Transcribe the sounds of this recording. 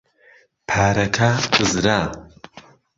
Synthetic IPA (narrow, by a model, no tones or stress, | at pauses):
pʰaːɾɐkʰakɨzɾa